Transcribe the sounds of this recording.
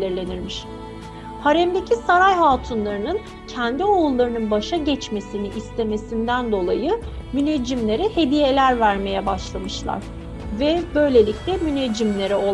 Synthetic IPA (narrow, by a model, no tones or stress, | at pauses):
lʲiɾlʲe̞niɾmiʃ | haɾɛmd̪e̞cʰisaɾajɦaːt̪ʰunlˠaɾɯnɯn | cʰɛnd̪iolˠːaɾɯnɯnbaʃaɟɛt͡ʃme̞siniʔist̪ʰe̞me̞sind̪ænd̪o̞lˠajɯmyned͡ʒimlʲe̞ɾɛhe̞d̪ije̞lʲæɾvæɾme̞jɛbaʃlˠamɯʃlˠa̰ɾ̥ | vɛbø̞jlʲe̞lʲiclʲɛmyned͡ʒimlʲe̞ɾɛo̞